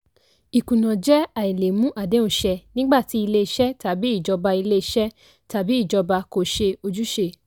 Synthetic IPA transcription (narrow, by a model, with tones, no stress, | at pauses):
i˨kũ˨nã˨d͡ʒɛ˦a˨i˨le˨mũ˦ʔa˦˨de˨˦ũ˧ʃɛ˧nĩ˦ɡ͡ba˦˨ti˨˦i˧le˦i˧ʃɛ˦ta˨˦bi˨˦i˦˨d͡ʒɔ˧ba˧i˧le˦i˧ʃɛ˦ | ta˨˦bi˨˦i˦˨d͡ʒɔ˧ba˧ko˨ʃe˧o˧d͡ʒu˦ʃe˧